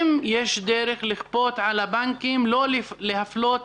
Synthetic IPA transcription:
mjeʃd̪eɾeχliχpo̞t̪ʕalabaŋkimlo̞llehaflot̪

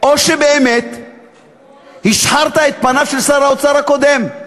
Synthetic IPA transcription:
o̞ʃe̞be̞ːme̞t̪ | hiʃħaʁt̪ae̞t̪̚panaʃelsaʁaot͡saʁako̞d̪e̞m

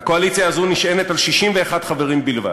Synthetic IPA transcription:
hako̞alit͡sjaːzuniʃenetalʃiʃimveːχad̥̪χaveʁimbilva̰d

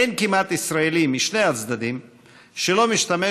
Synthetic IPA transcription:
enkimat̪isɾaelimːiʃnejat͡sd̪ad̪im | ʃelomiʃt̪ame

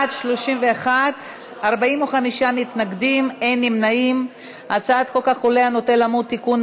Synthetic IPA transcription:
adʃlo̞ʃimveaχat | aʁbaimoχamiʃamitnaɡdime̞jnimnaim | at͡saat̪χokaχoleano̞telamud̚t̪ikun

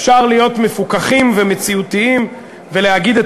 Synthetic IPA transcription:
fʃaʁlijo̞tmefukaχimvemet͡siut̪iim | veleaɡid̪et

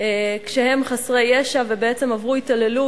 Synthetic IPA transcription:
ekʃehe̞mχasʁe̞jeʃavebeet͡se̞mavʁuitale̞lu

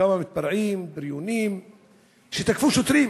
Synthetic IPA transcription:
amamɪt̪̚bɑɾˤʕiːmbɪɾjuniːm | ʃit̪akfuʃʊt̪ɾiː

